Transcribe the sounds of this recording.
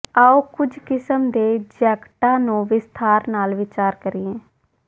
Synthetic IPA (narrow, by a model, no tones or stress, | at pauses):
aːoːkʊd͡ʒkɪsəmd̪eːd͡ʒɛːkʈãːnũːʋɪst̪ʰaːɾnaːlʋɪt͡ʃaːɾkəɾiːɛ̃ː